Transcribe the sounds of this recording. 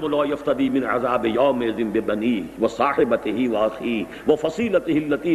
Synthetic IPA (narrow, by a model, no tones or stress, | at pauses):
mʊlaːjɐft̪ɐd̪iːmɪnʕa̰zaːbɪjaːmɪzɪmbɪbɐniːʋɐsaːħɪbɐt̪ɪɦɪʋɐʔɐxiː | ʋɐfɐsiːlɐt̪ɪɦɪlːɐt̪iː